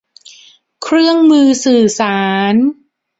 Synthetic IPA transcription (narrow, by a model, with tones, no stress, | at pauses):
kʰɾɯ˥˩əŋmɯː˧sɯː˨˩saː˩˦˩n